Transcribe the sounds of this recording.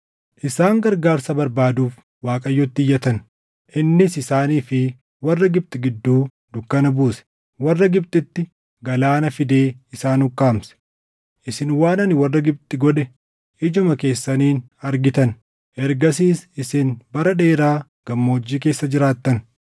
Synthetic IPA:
ʔɪsaːŋɡɐɾɡaːɾsɐbɐɾbaːd̪uːf | waːkʼɐjːɔt̪ːɪjːɐt̪ɐn | ʔɪnːɪsɪsaːniːfɪ | wɐrːɐɡɪb̚t̪ʼɪɡɪd̪ːuː | d̪ʊkːɐnɐbuːsɛ̥ | wɐrːɐɡɪb̚t̪ʼɪt̪ːɪ | ɡɐlaːnɐfɪd̪eːɪsaːnʊkːaːmsɛ̥ | ʔɪsɪnwaːnɐnɪwɐrːɐɡɪb̚t̪ʼɪɡɔᶑɛ | ʔɪd͡ʒʊmɐke̞ːsːɐniːn | ɐɾɡɪt̪ɐn | ʔɛɾɡɐs̬iːsɪsɪnbɐɾɐᶑe̞ːɾaː | ɡ̥ɐmːo̞ːd͡ʒːiːke̞ːsːɐd͡ʒɪɾaːt̪ːɐn

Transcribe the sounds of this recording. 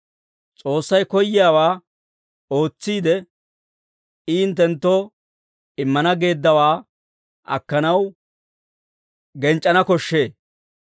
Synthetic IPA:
t͡sʼo̞ːsːɐjkɔjːɪjaːwaː | o̞ːt͡sːiːd̪ɛ | iːɪnt̪ːɛnt̪ːoː | ɪmːɐnɐɡe̞ːd̪ːɐwaː | ʔɐ̰kːɐnɐw | ɡɛnt͡ʃʼːɐnɐkɔʃːe̞ː

